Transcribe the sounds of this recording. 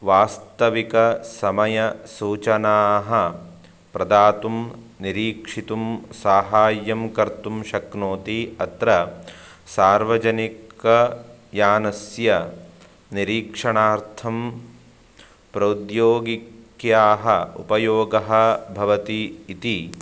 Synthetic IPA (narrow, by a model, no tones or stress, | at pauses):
ʋaːst̪ɐʋikɐsɐmɐjɐsuːt͡ʃɐnaːɦɐ | pɾɐd̪aːt̪um | niɾiːkʂit̪umsaːɦaːjːɐmkɐɾt̪umʃɐknoːt̪iɐt̪ɾɐ | saːɾʋɐd͡ʒɐnikɐjaːnɐsjɐ | niɾiːkʂɐɳaːɾt̪ʰɐm | pɾɐd̪joːɡikjaːɦɐṵpɐjoːɡɐɦɐ̆bʱɐʋɐt̪iːt̪i